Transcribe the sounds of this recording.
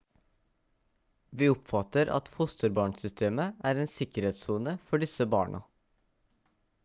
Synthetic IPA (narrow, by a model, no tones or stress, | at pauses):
ʋiːʊpfɑt̪əɾʔɑ̰t̪fʊst̪əɾbɑːɳsʏst̪ʰeːməʔæːɾeːnsɪkəɾheːt̪suːnəfɔɖɪsəbɑ̰ːɳʔɑ̰